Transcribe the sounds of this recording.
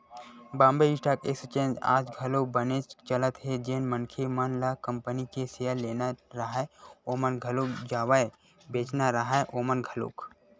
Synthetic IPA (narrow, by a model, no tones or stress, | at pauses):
bãːmbeɪʈaːkekst͡ʃẽːnd͡ʒa̰ːd͡ʒɡʱɐlobənet͡ʃt͡ʃələt̪ɦed͡ʒenmənkʰemənlakəmpənikeseəleːnaɾəɦaoːmənɡʱəlokd͡ʒaːʋae | beːt͡ʃnaɾəɦaeʔoːmənɡʱəlo̰ːk